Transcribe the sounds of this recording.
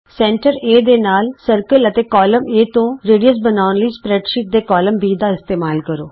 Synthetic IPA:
sɛ̃ːɳʈəɾeːd̪eːnaːlsəɾkələt̪eːkɔːləmeːt̪õːɾeːɖijəsbənaːʊnləiːspɾɛːʈʃɪʈ̚d̪eːkɔːləmbiːd̪aːɪst̪eːmaːlkəɾo̰ː

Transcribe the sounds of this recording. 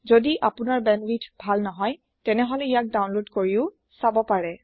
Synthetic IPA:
zodiʔapʊnaɹbɛnwitʰbʱalnɔɦɔj | tɛnɛɦɔlɛijak̚dawnlodkoɹiʊ | sabɔpaɹɛ

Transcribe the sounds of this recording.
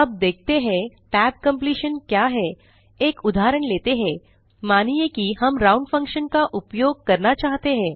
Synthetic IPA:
ɐb̚d̪eːk̚ʰt̪eɦɛ̃ʈɛːb̚kɐ̃mpliːʃənkjaɦɛ | eːkʊd̪ʱaːɾəɽ̃leːt̪eɦɛ̃ː | maːnijekihɐmɾaːʊ̃ɳɖfɐ̃ŋkʃənkaʔʊpjoːɡ̚kɐɾnat͡ʃaːɦt̪eɦɛ̃ː

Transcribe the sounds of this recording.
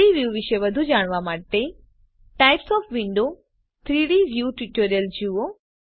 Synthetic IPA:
iʋjuʋɪʃeʋɐd̪ʱud͡ʒaːɽ̃ʋamaːʈe | ʈajpsɔːfʋɪɳɖo | t̪ʰɾiːɽiʋjuːʈiʈəɾjəld͡ʒuo

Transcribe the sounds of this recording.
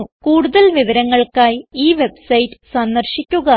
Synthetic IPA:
kuːɽuðɐlʋiʋɐɾɐŋːɐɭkaːjiːʋe̞bsɐjtːɨ̥sɐnd̪ɐrɕikʲːuɣɐ

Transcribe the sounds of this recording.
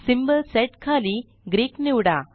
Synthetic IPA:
simbəlseʈkʰaːli | ɡɾiːkniwɽa

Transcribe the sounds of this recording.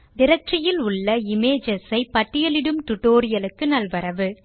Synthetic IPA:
d̪ɪɾɐʈrɪjɪlʊɭːɐɪmeːd͡ʒɐsɐɪpɐʈːɪjɐlɪɽɯmt̪ʊʈːoːɾɪjɐlɯkːɯnɐlʋɐɾɐʋɯ

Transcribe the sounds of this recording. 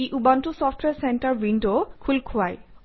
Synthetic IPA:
ejʔubantusɔfʈʰwɛɹsɛntaɹwindokʰulkʰʊaj

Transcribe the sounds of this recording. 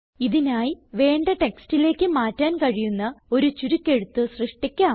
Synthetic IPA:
iðinaːjiʋe̞ːɳɖɐʈekstile̞ːkʲːɨmaːtːaːnkɐɻijunːɐo̞ɾut͡ɕuɾukʲːe̞ɻut̪ːɨsrɨʂʈikʲːaː

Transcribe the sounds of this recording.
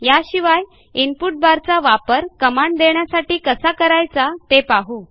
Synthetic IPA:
jaɕiʋaj | inpuʈ̚baɾt͡saʋapəɾkəmaɳɖd̪eɳjasaʈiːkəsakəɾajt͡sat̪epaɦu

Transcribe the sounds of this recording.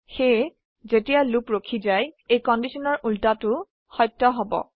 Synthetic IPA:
xe | zetijalupɹokʰizajejkɔndisɔnɔɹʔultatʊ | xɔjtːɔɦɔbɔ̰

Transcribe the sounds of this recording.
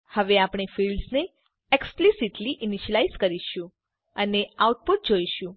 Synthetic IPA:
həʋeapɳ̃efilɖzne | eksplisiʈliʔiniʃəlaizkəɾiʃũ | əneawʈ̚puʈ̚d͡ʒojʃũ

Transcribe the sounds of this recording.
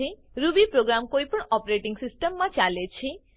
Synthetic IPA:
i | ɾubipɾoɡɾamkoipəɳɔpɾeʈiŋɡsɪsʈəmːãt͡ʃalet͡ʃʰi

